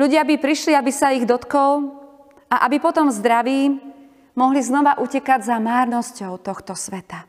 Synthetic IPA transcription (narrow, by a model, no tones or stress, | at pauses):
ʎuɟɪabipɾiʃliabisaiɣd̪ɔt̪kɔl | aʔabipɔt̪ɔmzd̪ɾaʋiː | mɔɦliznɔʋaʔucɛkaɟzamaːɾnɔscɔʊt̪ɔxt̪ɔsʋɛt̪a